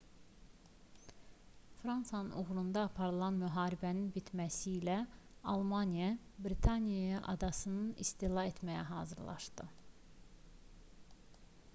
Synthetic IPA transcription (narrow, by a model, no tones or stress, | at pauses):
fɾɑnsɑnɯnʔuɣɾund̪ɑːpʰɑɾɯlˠɑnmyɦɑːɾibæninbit̪ʰmæsilæɑlˠmɑnijɑbɾit̪ʰɑnijɑjɑʔɑ̰d̪ɑsɯnɯnist̪ilˠɑe̞t̪ʰmæjæɦɑ̰ːzɯɾlˠʔɑ̰ʃd̪ɯ